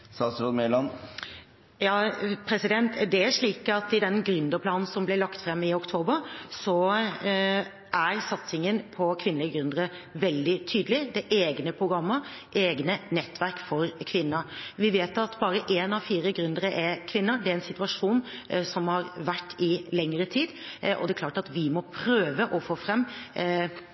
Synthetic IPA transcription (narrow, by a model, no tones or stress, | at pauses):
sɑsɾɔd̪mɛlɑn | jɑːpʰɾɛsɪd̪ɛnt̪d̪ɛæɾʂɭiːkɑt̪ɪd̪ɛnɡɾʉnd̪əɾpʰlɑːnn̩sɔmblɪɭɑkt̪fɾɛmːɪʊkt̪ʰoːbəɾsɔ | ʔæɾsɑt̪sɪŋənpʰɔkʰʋɪnləɡɾʉnd̪əɾəʋɛld̪ɪt̪ʰyːd̪əlɪd̪ɛʔeːɡnəpʰɾʊɡɾɑmːəɾʔeːɡnənɛt̪ːʋæɾkfɔɾkʰʋɪnːəʋɪʋeːt̪ɑt̪bɑːɾəʔeːnɑʋfiːɾəɡɾʉnd̪əɾəʔɛkʰʋɪnːəɖɛɛnsɪt̪ʉʋɑʂuːnsɔmhɑɾʋæʈːɪlɛŋːəɾət̪ʰiːd̪ʔɔ̰d̪ɛklɑːʈɑt̪ʋɪmɔpʰɾøːʋəʔɔfoːfɾɛmː